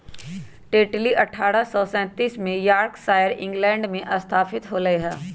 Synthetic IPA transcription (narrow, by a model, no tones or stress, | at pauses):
ʈeːʈliʔɐʈʰaːɾəsɔːsɛ̃ːt̪iːsmẽjaːɾksaːjəɾɪ̃ŋɡlɛ̃ːɳɖmẽʔɐst̪ʰaːfɪt̪ɦoːɾɐeɦɛː